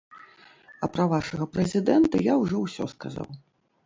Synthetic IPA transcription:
ɐpɾɐvaʂɐɣɐpɾɛzʲid̪ɛnt̪ɐjawʐɔwsʲɔskaza̰w

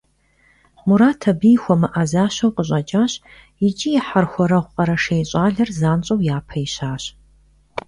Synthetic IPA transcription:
muɾaːtʰɐbijxʷɔmɨʔɐzaːɕɐwqəɕʼɐt͡ʃʼaːɕ | jɪt͡ʃʼijɪħarxʷɔɾɐʁʷqʼɐɾɐʂeːjɕʼaːɮɐrzaːnt͡ɕʼɐwjaːpʰɐjiɕaːɕ

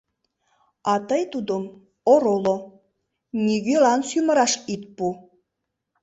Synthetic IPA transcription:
ɑt̪əjt̪ud̪om | oɾolo | nʲiɣølɑnsymə̆ɾɑʃit̪̚pu

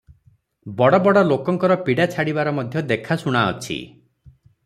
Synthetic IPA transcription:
bɔɽɔbɔɽɔlokɔŋkɔɾɔpiɽat͡ʃʰaɽibaɾɔmɔd̪ʱjɔd̪ekʰasuɽ̃aɔ̰t͡ʃʰḭ

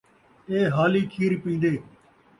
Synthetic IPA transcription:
eːɦaːliːkʰiːɾpĩːn̆d̪eː

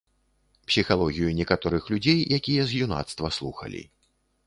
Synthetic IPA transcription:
psʲixalˠɔɣʲijunʲɛkat̪ɔɾɨxlʲud͡zʲejjakʲijɛzjuna̰t̪st̪vɐslˠuxɐ̰lʲḭ

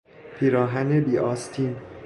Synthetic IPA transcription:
pʰiːɾɒːɦænebiːʔɒːst̪ʰin

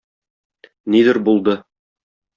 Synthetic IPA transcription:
nid̪ɘɾbulˠd̪ɤ

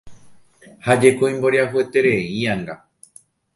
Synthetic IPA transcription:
had͡ʒe̞koĩmboɾjaɦue̞t̪e̞ɾẽ̞ĩãŋɡa

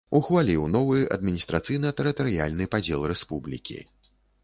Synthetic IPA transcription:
uxvalʲiwnɔvɨɐ̰d̪mʲinʲist̪ɾat̪sɨjnɐt̪ɛɾɨt̪ɐɾɨja̰lʲnɨpad͡zʲɛlˠrɛspublʲḭkʲḭ

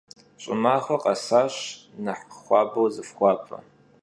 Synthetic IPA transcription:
ɕʼɪ̰maːχʷɐqʼɐsaːɕnɐħχʷɑːbɐwzɨfχʷɑːpʼɐ̰

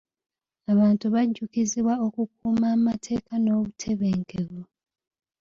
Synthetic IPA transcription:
aβaːntuβaɟːukiziβwao̞kuk̚uːmaːmatʰe̞ːkanoːβutʰe̞βeːŋkeβo

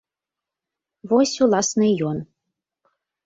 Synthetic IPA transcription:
βosʲulˠɑsnɨjon

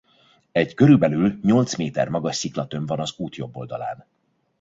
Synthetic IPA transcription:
ɛɟkø̞ɾylbɛlylɲo̞lt̪smeːt̪ɛ̰rmɒɡɒʃsiklɒt̪ø̞ɱvɒnɒzuːt̪jo̞bːo̞̰ld̪ɒla̰ːn

